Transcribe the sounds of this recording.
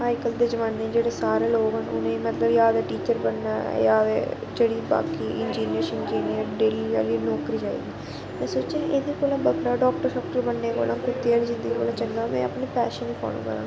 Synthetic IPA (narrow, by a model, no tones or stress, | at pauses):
aːɪkəld̪eːd͡ʒəʋaːnːeːd͡ʒeːɽeːsaːɾeːloːɡɦənʊ̰nẽːmət̪ləbjaːd̪aːʈiːt͡ʃəɾbənːaːjaːʋḛːd͡ʒeːɽiːba̰ːkiːʔɪnd͡ʒiːnijəɾsɪnd͡ʒiːnijəɾɖeːlia̰ːliːnɔːkɾiːd͡ʒaːḭːɡiː | mɛ̃ːsoːt͡ʃẽːʔeːd̪eːkoːlãːbəɡɾaːɖɔːk̚ʈəɾsɔːkʈəbənːeːko̰ːlʔãːkʊt̪ːeaːld͡ʒɪ̃nd̪iːkoːlãːt͡ʃəŋɡaːmɛ̰̃ːə̰pneːpɛːʃənʋiːpa̰ːnṵ̃ːkəɾã̰ː